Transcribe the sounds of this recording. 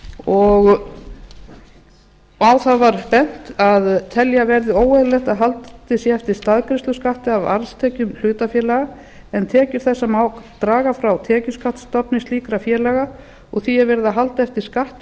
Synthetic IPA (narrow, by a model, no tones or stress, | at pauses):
ɔɣ | awθavaɾ̥pɛn̥t̪aðt̪ʰɛljavɛɾðɪoːwɛðlɛht̪aðɦalt̪t̪ɪsjɛɛft̪ɪɾ̥st̪aðkɾɪst̪ʏskaht̪ɪava̰ɾst̪ʰɛːcʏml̥ʏːt̪afjɛlɛɣa | ɛnt̪ʰɛːcʏɾ̥θɛsːamaːwkt̪ɾaːɣafɾawt̪ʰɛːcʏskaht̪st̪ɔpnɪsliːkɾafjɛːɾlɛɣa | ɔɣθiavɛɾɪðaɦalt̪aɛft̪ɪɾ̥skaht̪